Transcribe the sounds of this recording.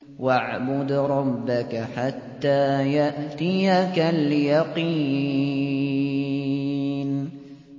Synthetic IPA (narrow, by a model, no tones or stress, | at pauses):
waʕbʊd̪ɾˤɑbːakaħat̪ːaːjaʔt̪ɪjakaljɑqi | n